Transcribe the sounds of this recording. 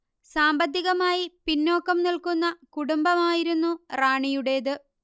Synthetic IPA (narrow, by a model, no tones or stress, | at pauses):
saːmbɐd̪ʱːiɣɐmaːjipinːo̞ːkːɐmnilkunːɐkuɽumbɐmaːjiɾunːuraːɳijuɽe̞ːðɨ